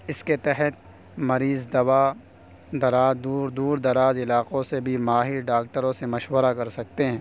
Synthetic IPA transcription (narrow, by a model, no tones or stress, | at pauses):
ɪsket̪ɛɦət̪̚ | mɐɾiːzd̪ɐʋa | d̪ɐɾaːd̪uːɾd̪uːɾd̪ɐɾaːzɪlaːqõsebʱimaːɦiɾɖaːk̚ʈəɾõsemɐʃwəɾakɐɾsɐk̚t̪eɦɛ̃ː